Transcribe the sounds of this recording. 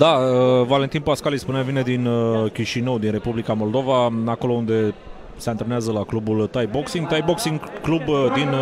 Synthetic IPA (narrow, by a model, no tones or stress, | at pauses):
d̪aəvale̞nt̪inpaskalispuneavine̞d̪inkʲiʃinəwd̪inre̞publikamo̞ld̪o̞vaako̞lo̞und̪e̞ | seant̪ɾeneazəlaklubult̪ajboksiŋɡt̪ajboksiŋɡklubd̪in